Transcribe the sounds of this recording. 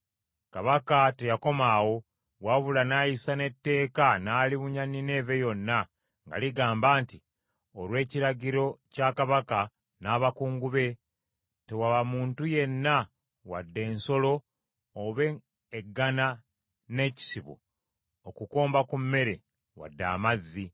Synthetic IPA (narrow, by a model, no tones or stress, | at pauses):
kaβakate̞jako̞maːwo̞ | waβulanaːjisane̞tːe̞ːkanaːliβuɲanine̞ːve̞jo̞nːa | ŋɡa̰liɡaːmbaːnti | olwe̞ːciɾaɟiɾo̞cakaβaka | naːβakuːŋɡuβe̞ | te̞waβamuːntuje̞nːa | wa̰dːe̞ːnso̞lo̞ː | βe̞ː | ɡːana | ne̞ci̥siβṵ | okuko̞ːmbakumːe̞ɾe̞ | wa̰dːa̰ːmazːi